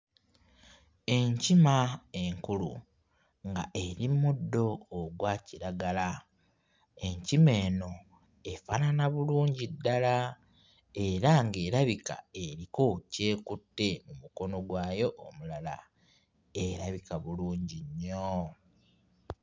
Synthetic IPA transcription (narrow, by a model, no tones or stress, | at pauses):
e̞ɲcimaeŋkulṵ | ŋɡa̰ʔeɾimudːo̞ːɡwaːciɾaɡala | e̞ɲcime̞ːno̞ | efaːnanaβuluːɲɟidːala | e̞ɾaŋɡe̞ːɾaβika̰e̞ɾiko̞ce̞ːkutːe̞mumuko̞no̞ɡwaːjo̞ʔːmulala̰ | e̞ɾaβikaβuluːɲɟiɲːo